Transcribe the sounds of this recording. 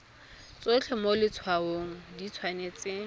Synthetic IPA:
t͡sʼwet͡ɬʰɛmolɪt͡sʰwaoŋ̩dit͡sʰwanet͡sʼɪ

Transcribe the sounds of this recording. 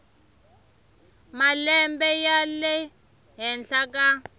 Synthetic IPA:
malɛmbɛjalɛ | ɦɛnɬaka

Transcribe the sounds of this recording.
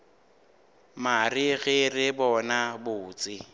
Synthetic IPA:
marɪɣɪrɪbɔnabʊːt͡sʼɪ

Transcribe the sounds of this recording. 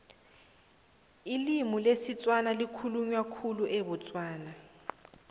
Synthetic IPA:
ilimulesit͡sʼwanalikʰuluɲwakʰuluʔɛβɔt͡sʼwaːna

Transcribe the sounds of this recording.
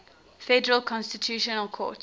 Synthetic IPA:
fɛdəɹəlˠkʰɔ̃nstitʰjuːʃɔnəlˠkʰɔ̰ːˑt

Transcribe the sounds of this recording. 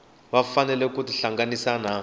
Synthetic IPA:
βafanɛlɛkutiɬaŋɡanisana

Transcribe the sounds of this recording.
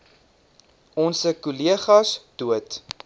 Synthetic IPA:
ɔnsəkuliəχɐsd̥uət

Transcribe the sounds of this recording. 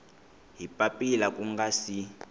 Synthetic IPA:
ɦipʼapʼilakʼuŋɡasi

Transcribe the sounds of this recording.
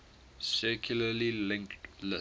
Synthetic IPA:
sɛkʰjuləlilɪ̃ŋktlə

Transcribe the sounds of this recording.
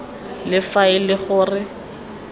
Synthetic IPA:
lɪfaɪlɪχʊːrɪ

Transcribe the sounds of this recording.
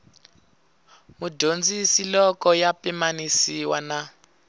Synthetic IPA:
mudʱond͡zisilɔkɔjapɛmanisiwana

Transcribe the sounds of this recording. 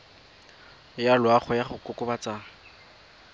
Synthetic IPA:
jalwaχʊjaχʊkʼʊkʼʊbat͡saː

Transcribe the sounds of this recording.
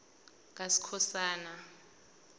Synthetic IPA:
k̬ʼasi̥kʰɔsaːna

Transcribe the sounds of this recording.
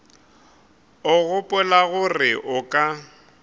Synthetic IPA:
ʊɣʊpʼʊlaɣʊrɪʔʊkʼa

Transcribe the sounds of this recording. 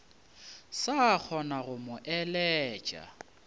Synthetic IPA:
sak͡xʰɔnaɣʊmʊʔɛlɛːt͡ʃʼa̰

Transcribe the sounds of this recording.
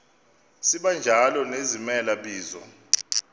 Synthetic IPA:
siɓand͡ʒʱalɔnezimɛlaɓiːzɔ̰

